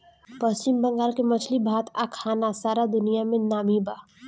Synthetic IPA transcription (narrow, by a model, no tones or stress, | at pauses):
pəst͡ʃɪmbə̃ŋɡaːɾkemɐt͡ʃʰlibʱaːt̪ʰakʰaːnasaːɾad̪ʊnijamẽnaːmiba